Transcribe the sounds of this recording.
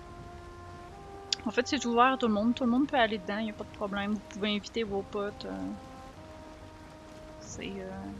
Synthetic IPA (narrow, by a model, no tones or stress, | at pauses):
ɑ̃fɛt̪set̪uvɛːʁat̪uləmɔ̃d̪t̪uləmɔ̃d̪̚pʰøaled̪əd̪ɑ̃iljapad̪əpχɔblɛ̃mvupuveɛ̃vit̪evopɔt̪ø̰ | sḛø